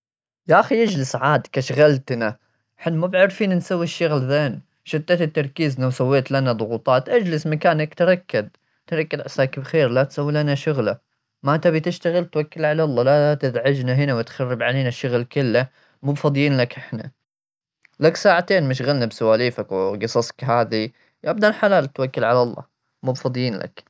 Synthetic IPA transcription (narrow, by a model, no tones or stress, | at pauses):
jaʔaxijad͡ʒlɪsʕaːd̪kaʃɣalt̪na | ħɪnmubʕɪɾfiːnnsawːiʃːʊɣlðeːn | ʃɪt̪ːat̪ɪt̪ːɑɾˤkiːznawsawːeːt̪lanad̪ˤʊɣuːt̪ˤɑːt̪ʔad͡ʒlɪsmakaːnakt̪ɾˤɑkːɪd̪ | t̪ɾˤɑkːɪd̪ʕasakbxeːɾlat̪sawːilanaʃʊɣla | mat̪abit̪ɪʃt̪aɣɪlt̪wakːɪlʕalalˤːɑːlat̪ɪd̪ʕad͡ʒnaɦɪnawɪt̪xarːɪbʕaleːnaʃːʊɣlkʊlːa | muːbfɑd̪ˤjiːnlakʔɪħna̰ | laksaːʕat̪eːnmɪʃɣalnabsʊwaːliːfakwɡɨsˤɑsˤkɦaːði | ʔab̚d̪anħalaːlt̪wakːɪlʕalɑlˤːɑ̰ː | muːbfɑd̪ˤjiːnlʔa̰k